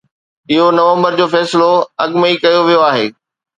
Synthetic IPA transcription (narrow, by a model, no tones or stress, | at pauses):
ɪɦonɐʋə̃mbəɾd͡ʑoːfɛːsɪloɐɡməikɐjoʋijoaːɦeː